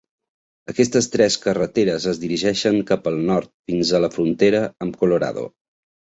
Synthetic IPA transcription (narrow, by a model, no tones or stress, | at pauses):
əkɛst̪əst̪ɾɛskərət̪eɾəzəzðiɾiʒɛʃəŋkapəlˠnɔɾt̪̚finzələfɾunt̪eɾəəmkuluɾa̰ðo̰